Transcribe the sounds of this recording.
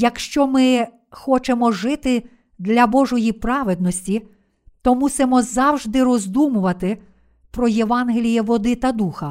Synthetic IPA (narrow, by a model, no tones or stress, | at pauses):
jɐkʃt͡ʃɔmɪ | xɔt͡ʃemɔʒɪt̪ɪ | d̪lʲɐbɔʒɔjipɾɑʋed̪̚nɔsʲtʲi | t̪ɔmusɪmɔzɑwʒd̪ɪrɔzd̪umʊʋɐt̪ɪ | pɾɔjeʋɑnɦelʲijɛʋɔd̪ɪt̪ɐd̪uxɐ